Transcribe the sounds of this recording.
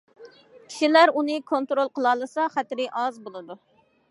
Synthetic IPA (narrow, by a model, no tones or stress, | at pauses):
kʲʰi̥ʃilæɾunɨkʰont̪ɾolˠqʰəlˠɑːlˠɨsɑχæt̪ɾɪʔɑzbolˠɨd̪u